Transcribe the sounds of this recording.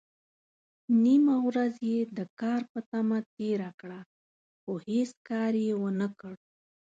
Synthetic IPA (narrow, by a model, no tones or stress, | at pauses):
nimawɾazjed̪əkɑɾpət̪amat̪eɾakɽa | xoheskɑɾjewənəkəɽ